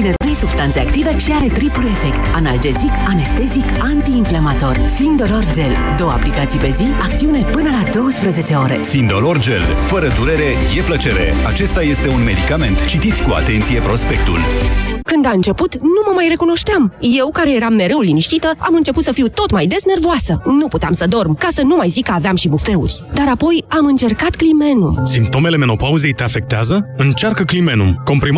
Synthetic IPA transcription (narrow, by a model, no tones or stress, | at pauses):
inet̪ɾe̞jsub̥st̪ant̪se̞akt̪ive̞ʃiaɾe̞t̪ɾipulue̞fe̞kt̪anald͡ʒe̞zikane̞st̪e̞zik | ant̪iːnflamat̪o̞rsind̪o̞lo̞rd͡ʒe̞l | d̪o̞wəa̰plikat̪sijpe̞ziakt̪siune̞pɨnəlad̪o̞wəspɾəze̞t͡ʃe̞o̞ɾe̞̰sind̪o̞lo̞rd͡ʒe̞̰lfəɾəd̪uɾe̞ɾe̞je̞plət͡ʃe̞ɾe̞̰a̰t͡ʃe̞st̪aje̞st̪e̞unme̞d̪ikame̞nt̪t͡ʃit̪it̪sʲkua̰t̪e̞nt̪sije̞pɾo̞spe̞k̚t̪ṵlkɨnd̪aɨnt͡ʃe̞put̪numəmajre̞kuno̞ʃt̪eamje̞wkaɾe̞je̞ɾamːe̞ɾe̞ulːiniʃt̪it̪əamɨnt͡ʃe̞put̪səfiwt̪o̞t̪majd̪e̞sne̞rd̪oasənuput̪eamsəd̪o̞rmkasənumajzikəaveamʃibufe̞ṵrʲd̪aɾapo̞jamɨnt͡ʃe̞rkat̪klime̞numsimpt̪o̞me̞le̞me̞no̞pauze̞jt̪e̞afe̞k̚t̪eazəɨnt͡ʃarkəklime̞numko̞mpɾim